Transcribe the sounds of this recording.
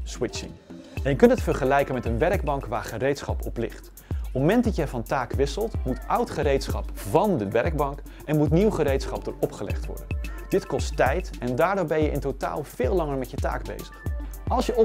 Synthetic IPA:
swɪt͡ʃɪ̰ŋ | ɛnjəkɵntətfəɹχəlɛjkənmɛtənʋɛɹɡ̚bɑŋkʋaːɹχərejtsχɑpɔplɪ̰χt | ɔmɛntdɑtjəvɑntaːkʋɪsəlˠtmutʔʌwtχəɾejtsχɑ̰pvɑndəʋɛɹɡ̚bɑŋk | ɛnmutniwχəɾejtsχɑp̚dʊ̰ːɹɔpχəlɛ̰χtʋɔ̰ɹdəndɪtkɔstɛjtɛndaːɹdoːɹbɛnjəʔɪ̰ntota̰ːlˠv̥ɪːlˠɑŋəɹmɛtjəta̰ːɡbḛjzəχʔɑlˠsjə

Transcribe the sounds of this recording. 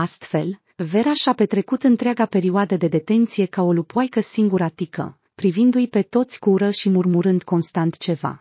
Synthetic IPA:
ast̪fe̞̰l | ve̞ɾaʃape̞t̪ɾe̞kut̪ɨnt̪ɾeaɡape̞ɾioad̪əd̪e̞d̪e̞t̪e̞nt̪sije̞kao̞lupajkəsiŋɡuɾat̪ikə̰ | pɾivind̪ujpe̞t̪o̞t̪sʲkuɾəʃimurmuɾɨnd̪ko̞nst̪ant̪t͡ʃe̞va̰

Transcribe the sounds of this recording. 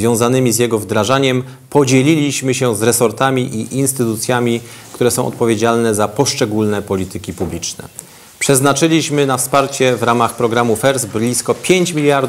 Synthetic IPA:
vʲjɔ̃w̃zanɘmʲizjɛɡɔvd̪ɾaʐaɲɛm | pɔd͡ʑelʲilʲiɕmɘɕɛ̃zɾɛsɔɾt̪amʲiʔiʔinst̪ɘt̪ut̪sʲjamʲikt̪uɾɛsɔ̃w̃ʔɔ̰t̪̚pɔvʲjed͡ʑalnɛzapɔʂt͡ʂɛɡulnɛpɔlʲit̪ɘkʲipublʲit͡ʂnɛ̰ | pʂɛznat͡ʂɘlʲiɕmɘnafspaɾt͡ɕɛvɾamaxpɾɔɡɾamufɛɾzblʲiskɔpʲjeɲt͡ɕmʲilʲjaɾd̪

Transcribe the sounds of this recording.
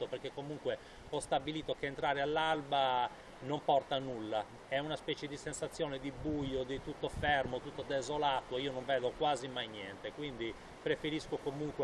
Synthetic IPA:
operkekːomuŋkwe | ɔst̪abiliːt̪okeːnt̪ɾaːɾealːalba | nompɔrt̪anulːa | ɛunaspɛːt͡ʃed̪isensat̪sːjɔːned̪ibujod̪it̪ut̪ːofɛrmot̪ut̪ːod̪ezolaːt̪oiːonoɱvɛːðokwaːzimajnjɛnt̪ekwind̪i | pɾefeɾiskokomuŋkwe

